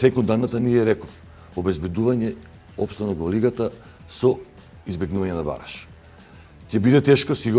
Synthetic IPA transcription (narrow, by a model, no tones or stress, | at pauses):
sɛkɔnd̪anat̪aniɛɾɛkɔf | obɛzbɛd̪uvaɲɛ | ɔpst̪anɔɡvɔliɡat̪a | sɔ | izbɛɡnuvaɲɛnaba̰ɾa̰ʃ | cɛbid̪ɛt̪ɛʃkosiɡ